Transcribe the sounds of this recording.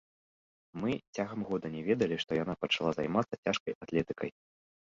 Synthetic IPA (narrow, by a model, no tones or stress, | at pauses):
mɨt͡sʲaɣɐmɣɔd̪ɐnʲɛvʲɛd̪ɐlʲiʂt̪ɔjan̪apɐt͡ʂalˠazajmat̪sɐt͡sʲaʂkɐjat̪lʲɛt̪ɨkʰɐj